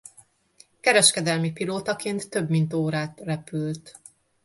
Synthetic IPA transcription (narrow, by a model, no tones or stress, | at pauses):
kɛɾɛʃkɛd̪ɛlmipiloːt̪ɒkeːnt̪ːø̞bmint̪oːɾaːt̪rɛpylt̪